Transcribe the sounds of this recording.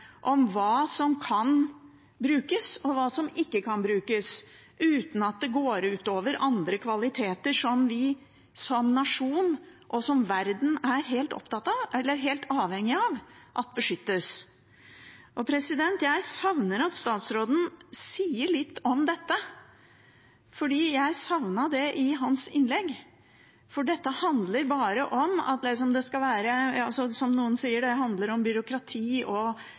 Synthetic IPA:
ʔɔmʋɑːsɔmkʰɑn | bɾʉːkəsɔʋɑːsɔmɪkːəkʰɑnbɾʉːkəs | ʉːt̪n̩ɑt̪̚d̪ɛɡoːɾʉːt̪oːʋəɾʔɑnd̪ɾəkʰʋɑlɪt̪ʰeːt̪əʂɔmʋɪ | sɔmnɑʂuːnʔɔsɔmʋæɾd̪n̩æɾɦeːlt̪ɔ̰pt̪ɑt̪ːɑʋɛlːəɾɦeːlt̪ɑːʋhɛŋːɪɑʋʔɑt̪̚bəʂʏt̪ːəs | ʔɔpʰɾɛsɪd̪ɛnt̪jæɪsɑʋnəɾɑt̪st̪ɑːt̪sɾoːd̪n̩siːəɭɪt̪ːɔmd̪ɛt̪ːə | fɔɖiːjæɪsɑʋnɑɖɛʔɪɦɑnsɪnlɛɡː | fɔɖɛt̪ːəhɑnd̪ləɾbɑːɾəʔɔmɑ̰t̪lɪs̬ɔmd̪ɛskɑʋæːɾəɑsɔsɔmnuːənsiːəɖɛɦɑnd̪ləɾɔmbʏɾʊkɾɑt̪ʰiːʔɔ

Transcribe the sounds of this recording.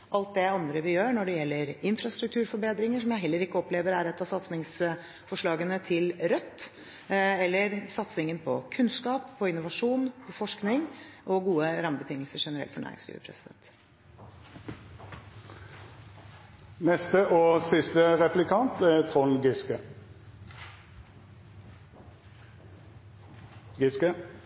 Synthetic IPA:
ʔɑlt̪̚d̪ɛɑnd̪ɾəʋɪjøːnɔɖɛjɛlːəɾɪnfɾɑst̪ɾʉk̚t̪ʰʉːɾfɔɾbeːd̪ɾɪŋəʂɔmjæɪɦɛlːəɾɪkːəɔpleːʋəɾæɾɛt̪ːɑsɑt̪snɪŋs | fɔʂɭɑːɡənət̪ʰɪlɾœt̪ː | ɛlːəɾsɑt̪snɪŋənpʰɔkʰʉnskɑːpːʰɔɪnʊʋɑʂuːnpʰɔfɔʂknɪŋʔɔɡuːəɾɑməbət̪ʰɪŋəlsəʂɛnəɾɛ̰t̪fɔɳæ̰ːɾɪ̰ŋskɾḭʋə̰pʰɾɛ̰sɪd̪ɛ̰nt̪ | nɛst̪əʔoːsɪst̪əʁɛplɪkʰɑnt̪æt̪ʰʁɔnɡɪskə | ɡɪskə

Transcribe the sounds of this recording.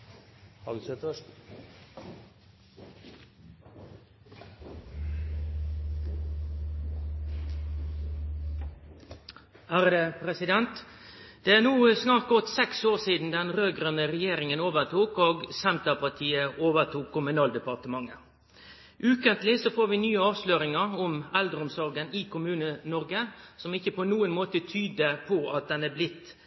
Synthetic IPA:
hɑd̪sɛt̪ə | hæːɾəd̪epʰʁɛsɪd̪ɛnt̪ | d̪̥ɛæːʁnuːsnɑːʁt̪̚ɡɔt̪sɛksoːʁsiːd̪n̩d̪ɛnʁøːɡɾœnəɾɛjeːɾɪŋənoːʋəʁt̪ʰuːkoːɡsɛnt̪əpʰɑʁt̪ʰiːəʔoːʋət̪ʰuːkʰːʊmʉnɑːld̪əpɑʁt̪əmɑŋːə | ʔʉːkənt̪lɪsɔfoːɾʋɪnyːəɑːʋsløːɾɪŋəʁɔmɛld̪ɾʊmsɔɾɡənɪkʰʊmʉːnənɔɾɡəsɔmɪçəpʰɔnuːənmoːt̪ət̪ʰyːd̪əpʰɔʔɑt̪̚d̪ɛnæːblɪt̪ː

